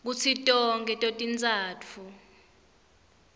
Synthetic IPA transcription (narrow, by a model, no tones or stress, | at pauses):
k̬ut͡sʰitʼɔŋɡʱɛtʼotʼint͡sʼaːtʰu